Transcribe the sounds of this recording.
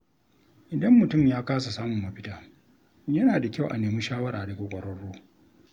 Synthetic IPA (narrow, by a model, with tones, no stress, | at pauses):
ʔɪ˨dɐ˦mːʊ˨tʊ˦˨mjaː˦kaː˦sa˨saː˦mʊ˨mːɐ˨ɸɪ˦taː˦ | jɐ˦naː˨da˨kʲa˦˨wʔa̰˨neː˨mi˦ʃaː˦wɐ˦ɾaː˨da˨ɡʷo˨kʷʼɐ˨ɽɔ˦ɽːoː˦